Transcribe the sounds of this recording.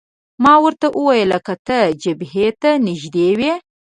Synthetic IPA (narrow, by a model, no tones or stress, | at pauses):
mɑwəɾt̪aʔəwɑjəlakat̪əd͡ʒabɦet̪anɪʒd̪ewe